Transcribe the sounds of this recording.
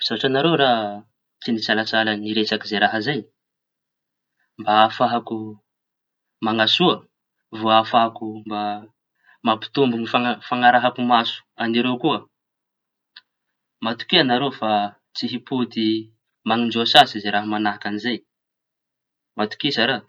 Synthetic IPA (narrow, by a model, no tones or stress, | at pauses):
z̥aɦaʈ͡ʂanaɾewɾa | t͡sinisalasalaniɾesakizejɾaɦəzaj | mbaafaɦaku | maŋasuə | voafaɦkumba | mapi̥t̪umbunifafaŋaɾaɦakumasu̥aniɾewkuə | mat̪u̥kianaɾewfa | t͡siɦiput̪i | maŋind͡ʒosasizeɾaɦamanaɦakanizaj | mat̪u̥kisaɾaː